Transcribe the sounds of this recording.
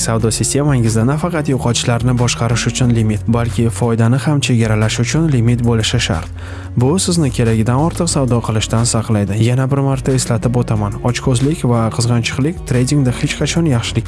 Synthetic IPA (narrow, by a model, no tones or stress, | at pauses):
savd̪ɒsɪsʲt̪ʰʲe̞maŋɪzd̪anafɑqʰɑt̪joqʰɒt̪ʃlaɾnɪbɒʃqɑɾɪʃʊt͡ʃʰʊnlɪmit̪balkʲʰɪfɒjd̪anɪhamt͡ʃʰe̞ɡʲaɾalaʃʊt͡ʃʰʊnlɪmit̪bolɪʃɪʃa̰ɾt̪ | bʊsɪznɪkʲʰe̞ɾaɡʲɪd̪anɒɾt̪ʰɨqsavd̪ɒqʰɨlˠɪʃt̪ansɑqlˠajd̪ɪjanabɪɾmaɾt̪ʰaeslat̪ʰɪpot̪ʰamanɒt͡ʃkʰozlɪkʲvaqʰɨzʁɑnt͡ʃʰɨ̥qlˠɪkʲt̪ʰɾe̞jd̪ʲiŋd̪ahe̞t͡ʃqʰɑt͡ʃʰɒnjɑχʃɪlɪkʲ